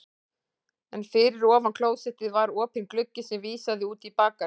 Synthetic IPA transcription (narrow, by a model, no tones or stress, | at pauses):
ɛnfɪɾɪɾɔːvankʰloːwðsɛht̪ɪðvaɾɔːpʰɪnklʏcːɪsɛmviːsaðɪuːt̪ipaːka